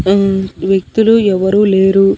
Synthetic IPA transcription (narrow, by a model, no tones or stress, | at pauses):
ʋjek̚t̪uluɛʋɐɾuːleːɾu